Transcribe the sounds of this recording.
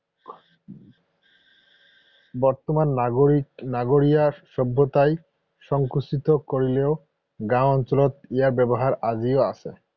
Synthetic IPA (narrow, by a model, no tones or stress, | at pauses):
bɔɾt̪oman | naɡoɾiaʃɔbʱːot̪aj | ʃɔŋkuʃit̪okoɾileo | ɡɾãɔnt͡ɕolot̪eaɾbɛboɦaɾad͡ʑioat͡ɕʰe